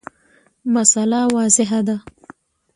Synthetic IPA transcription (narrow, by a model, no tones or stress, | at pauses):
masalawɑzɪɦad̪a